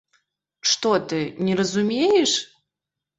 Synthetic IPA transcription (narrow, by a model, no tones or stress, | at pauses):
ʂt̪ɔt̪ɨnʲɛɾəzumʲejɛʂ